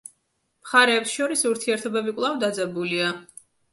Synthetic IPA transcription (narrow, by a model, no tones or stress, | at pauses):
mχaɾɛːpsʃɔɾisuɾt̪ʰiɛɾt̪ʰɔbɛbikʼlˠavd̪ad̪zɛbulia